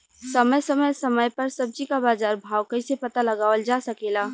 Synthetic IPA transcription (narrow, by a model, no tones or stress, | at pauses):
səməjsəməjsəməjpəɾsəb̚d͡ʒikabaːzaːɾbʱaːwkə̃ɪsepət̪aləɡaːʋəld͡ʒasəkela